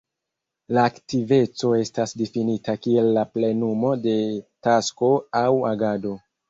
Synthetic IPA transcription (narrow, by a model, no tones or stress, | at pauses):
laːktive̞t͡so̞e̞stasdifinitakie̞lːaple̞numo̞de̞tasko̞awaɡado̞